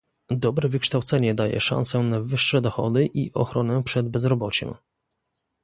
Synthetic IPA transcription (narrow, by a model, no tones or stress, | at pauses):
d̪ɔbɾɛvɘkʂt̪awt̪sɛɲɛd̪ajɛ̰ʂa̰nsɛnavɘʂːɛd̪ɔxɔ̰d̪ɘʔiʔɔxɾɔnɛpʂɛd̪bɛzɾɔbɔt͡ɕɛ̰̃m